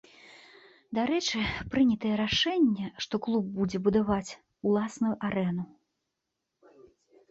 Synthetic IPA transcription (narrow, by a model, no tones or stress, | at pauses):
d̪aɾɛt͡ʂɨpɾɨnʲɐt̪ɐjɛɾaʂɛnʲːɛʂt̪ɔklˠub̚ːud͡zʲɛbud̪avat͡sʲ | ulˠasnujuʔaɾɛnu